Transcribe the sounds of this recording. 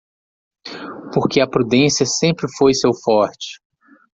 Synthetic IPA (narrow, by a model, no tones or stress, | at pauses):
poɾkɪɐpɾud̪ẽsiɐsẽmpɾɪfojsewfɔɾt͡ʃɪ̥